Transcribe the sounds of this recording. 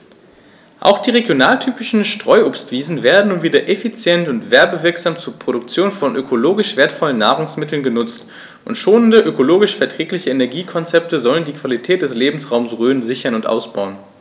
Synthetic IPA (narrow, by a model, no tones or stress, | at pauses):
ʔa̰ʊxd̥iːʁeɡjonaːltʰyːpɪʃn̩ʃtʁ̥ɔʏʔopstv̥iːzn̩veːɐdn̩nuːnviːdɐʔefit͡sjɛntʊntv̥ɛɐbəvɪɐkz̥aːmt͡suːɐpʁ̥oɾʊkt͡sjoːnfɔnʔøkʰoloːɡɪʃv̥eːɐtfɔlənːaːʁ̞ʊŋsmɪtl̩nɡənʊt͡st | ʔʊntʃoːnəndəʔøkoloːɡɪʃfɛɐtʁ̥ɛːklɪçəenɛɐɡiːkʰɔnt͡sɛp̚təzɔləndiːkv̥alitʰɛːt̚d̥ɛsleːbm̩sʁaʊmsʁøːənzɪçɐnʊntʔa̰ʊsb̥aʊən